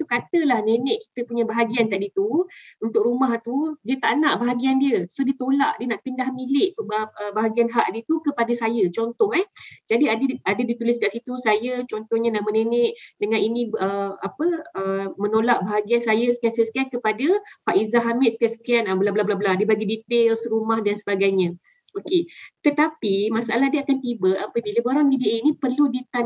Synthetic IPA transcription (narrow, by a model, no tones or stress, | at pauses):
t̪ukat̪əlahnenɛʔki̥t̪əpuɲabaɦaɡiank̪aʔdit̪uunt̪ʊk̚ɾumaht̪udiət̪aʔnaʔbaɦaɡiandiəsodit̪ola̰ʔdiənaʔpindahmilɪʔt̪uʔbəbaɦaɡianɦaʔdiət̪ukəpadasajət͡ʃɔnt̪ɔhɛhd͡ʒadiadəadədit̪ulɪskaʔsit̪usajət͡ʃɔnt̪ɔhɲanaʔmənenɛʔdəŋãninĩəapəəmənolaʔ̚baɦaɡiansajasə̥kiansajasə̥kiankəpadafaʔizaɦamɪt̪̚sə̥kiansə̥kianablablablabladibaɡidit̪elsəɾumahdansəbaɡajɲã | oket̪ət̪apimasaʔa̰lahdəakant̪ibaʔapəbilaboɾaŋbidiʔeinĩpərludit̪an